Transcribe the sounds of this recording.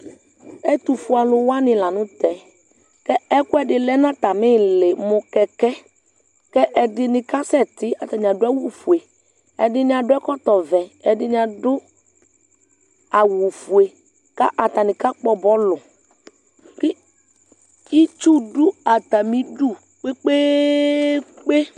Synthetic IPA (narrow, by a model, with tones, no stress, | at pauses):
ɛ˦t̪u˨fʊ˨a˨lʊ˨wa˦nɪ̃˨la˨nʊ̃˦t̪ɛ˨ | kɛ˦ɛ˦kʊ˦ɛ˦ɖɪ˨lɛ˦nã˦t̪a˨mɪ̃˦lɪ˨mʊ̃˨kɛ˨kɛ˦ | kɛ˦ʔɛ˨dɪ˨nɪ̃˨ka˦sɛ˦˨t̪ɪ˦a˨t̪a˨ɲ˨a˨dʊ˦a˦wu˦fu˨e˨ | ɛ˨dɪ˦nɪ̃˦a˨ɖʊ˦ɛ˦kɔ˦t̪ɔ˨vɛ˨ɛ˨dɪ˦ɲ˦˨a˨dʊ˦ | a˨wu˨fu˨e˨ | ka˦ʔa˨t̪a˨nɪ̃˨ka˦k͡pɔ˦bɔ˦lʊ˨ | kɪ˦ | i˦t͡ʃu˦ɖʊ˦a˨t̪a˨mĩ˨ɖu˦˨ | k͡pe˦k͡pe˦ | k͡pe˦